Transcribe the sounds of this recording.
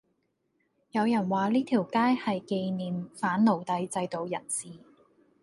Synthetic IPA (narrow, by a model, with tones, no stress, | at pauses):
jɐ˨˧wjɐ˨˩nwaː˨liː˥t̪ʰiː˨˩wkaː˥jhɐ˨jke˧jniː˨˩mfaː˨˥nlo˨˩wt̪ɐ˧jt͡sɐ˧jt̪o˨wjɐ̰˨˩nsiː˨